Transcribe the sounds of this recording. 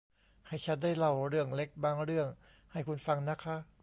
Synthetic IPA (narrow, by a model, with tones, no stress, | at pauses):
ha˧˩jt͡ɕʰa˦˥ndaː˥˩jla˧˩wɾɯ˥˩əŋle˦˥k̚baː˧ŋɾɯ˥˩əŋ | ha˥˩jkʰu˧nfa˧ŋna˦˥kʰa˦˥ʔ